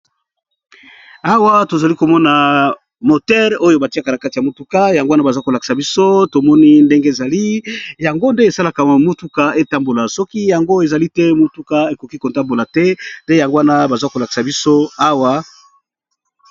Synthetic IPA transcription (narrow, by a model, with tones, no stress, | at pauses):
a˦wa˦to˨za˨li˦ko˨mɔ˦na˨ | mo˨tɛ˦ʁo˦jo˦ba˨ti˦a˦ka˨na˨ka˦ti˨a˨mo˨tu˦ka˦ja˨ŋɡo˦na˦ba˨za˦ko˨la˨ki̥˨sa˨bi˦so˦to˨mɔ˦ni˦nde˦ŋɡe˦e˨za˨li˦ja˨ŋɡo˦nde˦e˨sa˦la˨ka˨mo˦tu˦ka˦e˦ta˦mbo˨la˨sɔ˦ki˦ja˨ŋɡo˦e˨za˨li˦tɛ˦mo˦tu˦ka˦e˨ko˨ki˦ko˨ta˦mbo˨la˨tɛ˦nde˦ja˨ŋɡo˦a˦na˦ba˨za˦ko˨la˨ki̥˨sa˨bi˦so˦a˦wa˦